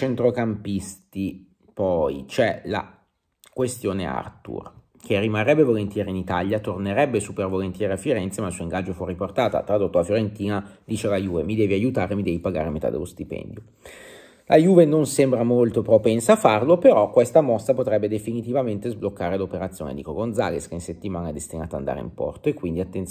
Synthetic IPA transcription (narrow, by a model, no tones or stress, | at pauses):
t͡ʃent̪ɾokampist̪i | pɔjt͡ʃɛla̰ | kwest̪joːnea̰rt̪ṵr | k̟erːimarːɛbːevolent̪jɛːɾinit̪aljat̪orneɾɛbːesupervolent̪jɛːɾeafːiɾɛnt̪semailsuoiŋɡad͡ʒːofurːiport̪aːt̪a̰t̪ɾad̪ot̪ːoafjoɾent̪iːnad̪iːt͡ʃelajuːvemid̪ɛːviajut̪aːɾemid̪ɛːvipaɡa̰ːɾemet̪a̰d̪ḛlost̪ipɛ̰nd̪jo | lʔajuːvenonsɛmbɾamolt̪opɾopɛnsafarlopeɾɔkːwest̪amɔst̪apot̪ɾɛbːed̪efinit̪ivament̪ezblokːaːɾelopeɾat̪sːjoːnḛd̪iːkoɡond̪za̰leskeinset̪ːimaːnaɛd̪est̪inaːt̪a̰nd̪a̰ɾḛḭmpɔ̰rt̪oekːwind̪iat̪ːent̪